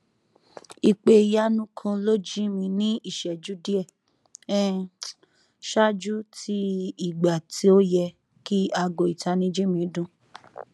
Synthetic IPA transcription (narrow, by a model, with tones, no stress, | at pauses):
i˨k͡pe˧˨ja˦nũ˦kʰɔ̃˧lo˦d͡ʒi˦mĩ˧nĩ˦i˦˨ʃɛ˨d͡ʒu˨˦di˦ɛ˦˨ | ɛ˦ | ʃa˦d͡ʒu˦tʰi˦i˨ɡ͡ba˨tʰi˦o˦jɛ˧ | ki˦a˧ɡo˧˨i˨ta˧nĩ˧˦d͡ʒi˦mĩ˨˦dũ˧